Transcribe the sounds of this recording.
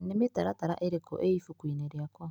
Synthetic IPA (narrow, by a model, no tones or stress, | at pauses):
nimitaɾataɾa̰ʔeɾekɔ̰ʔeifukwiːneɾeakwa